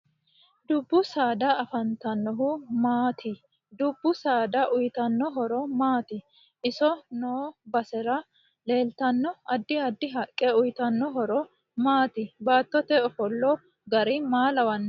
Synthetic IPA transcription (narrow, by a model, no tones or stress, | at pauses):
d̪ʊbːʊsaːd̪ɐːfɐnt̪ɐnːɔɦʊmaːt̪ʰɪ | d̪ʊbːʊsaːd̪ɐʔʊjt̪ɐnːɔɦɔɾɔmaːt̪ɪ | ʔɪsɔnoːbɐsɛɾɐ | le̞ːlt̪ɐnːɔɐd̪ːɪɐd̪ːɪɦɐkʼːɛʊjt̪ɐnːɔɦɔɾɔ | maːt̪ɪbaːt̪ːɔt̪ɛɔfɔlːɔ | ɡɐɾɪmaːlɐwɐnː